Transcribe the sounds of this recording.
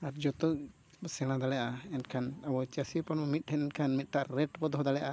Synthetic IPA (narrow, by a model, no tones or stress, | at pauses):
aɾd͡ʒɔt̪ɔʔ | sɛɽ̃ãd̪aɽɛjaʔaɛnkʰanabɔt͡ʃasipɔnɔmit̪̚ˀʈʰɛnɛnkʰanmit̪̚ˀʈaʔɾɛʈbɔd̪ɔɦɔd̪aɽɛjaʔa